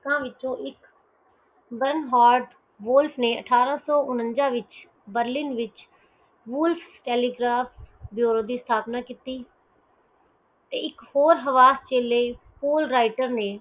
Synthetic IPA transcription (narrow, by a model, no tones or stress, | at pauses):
kãːʋɪt͡ʃõːʔɪk | bənɦaːɾɖ | ʋʊlpʰneːə̰ʈʰaːɾãːsɔːʔʊnənd͡ʒãːʋɪt͡ʃ | bəɾlɪnʋɪt͡ʃ | ʋʊlfʰʈɛːliːɡɾaːpbjoːɾoːd̪iːst̪ʰaːpnaːkiːt̪iː | t̪eːɪkhoːɾɦəʋaːst͡ʃeːleː | puːlɾaːɪʈəɾneː